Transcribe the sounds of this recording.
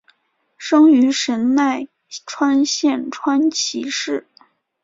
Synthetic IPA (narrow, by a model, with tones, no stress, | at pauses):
ʂɤ˥ŋy˧˥ʂə˧˥nna˥˩ɪ | ʈ͡ʂʰwa˥nɕjɛ˥˩nʈ͡ʂʰwa˥nt͡ɕʰi˧˥ʂɻ̩˥˩